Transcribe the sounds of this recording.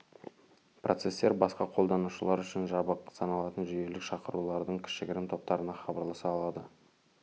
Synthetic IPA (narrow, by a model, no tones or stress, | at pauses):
prʔo̞t̪se̞st̪e̞ɾbɑsqɑqʰo̞lˠd̪ɑnuʃəlˠɑɾʏʃɪnʒɑbəqsɑnɑlˠɑt̪ənʒije̞lɪkʃɑqəɾulˠɑɾd̪əɴkʲʰɪ̥ʃɪɡʲɪɾɪmt̪ʰo̞p̚t̪ɑɾənɑχɑbɑɾlˠɑsɑːlˠɑd̪ə